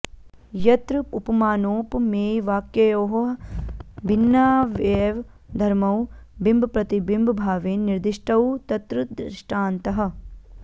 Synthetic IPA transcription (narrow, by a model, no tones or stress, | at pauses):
jɐt̪ɾɨupɐmaːnoːpmeːjʋaːkjɐjoːɦɐ | bʱinːaːʋeːʋ | d̪ʱɐɾmɐwbimbʱɐpɾɐt̪ibimbʱbʱaːʋeːnnːiɾd̪iʂʈʰɐwt̪ɐt̪ɾɨd̪ɾɪʃʈʰaːnt̪ɐɦɐ̆